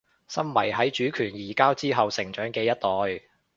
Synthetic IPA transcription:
sɐ˥mmɐ̰˨˩jɦɐ˨˥jt͡ʃyː˨˥kʰyː˨˩njiː˨˩kaː˥wt͡siː˥ɦɐ˨wsɪ˨˩ŋt͡ʃœː˨˥ŋkɛː˧jɐ˥t̚t̪ɔː˨j

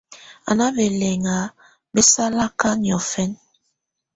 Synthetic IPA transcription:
a̰˨na˦bɛ˨lɛ˨ŋa˨˦ | bɛ˦sa˦la˦ka˦njɔ˨fɛ˦n

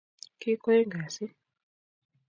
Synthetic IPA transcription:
ki˦kɔ˦i˦ŋɡa˨si˦

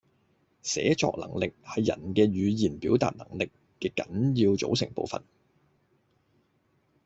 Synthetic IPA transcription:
sɛ̰ː˨˥t͡ʃɔ̰ː˧k̚lɐ̰˨˩ŋlɪ˨k̚hɐ˨jːɐ̰˨˩nkɛː˧ɥyː˨˧jiː˨˩npiː˨˥wt̪a̰ː˨t̚nɐ̰˨˩ŋlɪ˨kːɛː˧kɐ˨˥njiː˧wt͡so̰˨˧˥wsɪ˨˩ŋpo̰˨˧wfɐ̰˨n

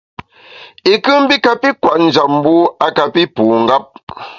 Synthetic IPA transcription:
i˨kɨ˦m̩˦bi˦ka˨pi˦kwa˨ʔn̩˨d͡ʒa˨p̚m̩˦bu˦a˨ka˨pi˦puː˨ŋ̩˨ɡa˦p̚

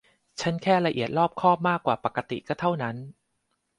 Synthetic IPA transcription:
t͡ɕʰa˦˥nkʰɛː˥˩ɾa˧ʔḭ˨˩ət̪̚ɾɔː˥˩p̚kʰɔː˥˩p̚maː˥˩kːwaː˨˩pa˨˩kːa˧t̪ḭ˨˩kɔː˥˩t̪ʰa˥˩wna˦˥n

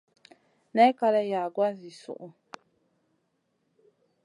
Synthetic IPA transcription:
nɛ˦ka˦la˦ja˨ɡwa˦zi˨sṵ˨ʔu˨

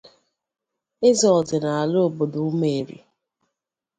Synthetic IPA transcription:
ɪ˦zɔ˨ɔ˨dɪ˨na˨a˨lo˦o˨bo˨do˨u˦me˨e˨ɾḭ˨

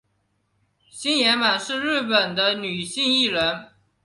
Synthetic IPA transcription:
ɕi˥njɛ˧˥nma˨˩nʂɻ̩˥˧ɻɻ̩˥˩pə˨˩nd̪ə˦ny˨˩ɕi˥˧ŋi˥˩ɻə˧˥n

